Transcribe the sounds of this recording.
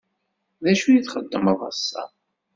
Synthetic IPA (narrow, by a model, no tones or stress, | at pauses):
ðæʃujiθχəd̪ːəməðˤɑ̰sːɑ̰